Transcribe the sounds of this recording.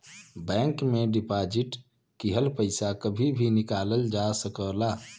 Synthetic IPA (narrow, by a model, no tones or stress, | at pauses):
bɛ̃ŋkmeɖipad͡ʒiʈ | kiɦəlpəɪsakəbʱibʱinikaləld͡ʒasəkəla